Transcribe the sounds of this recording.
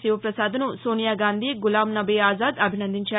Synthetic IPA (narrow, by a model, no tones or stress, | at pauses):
siːʋɐpɾɐsaːd̪ɐnusoːnijaːɡaːnd̪ʱiːɡulaːmnɐbiːaːzaːd̪ɐbʱinɐnd̪iɲt͡ʃaː